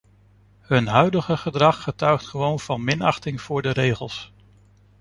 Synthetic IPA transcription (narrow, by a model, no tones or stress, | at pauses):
ɦɵnɦœɥdəχəχədrɑχːətœɥχtχəʋownv̥ɑnmɪnɑχtɪŋv̥ʊːɹdərejχəlˠs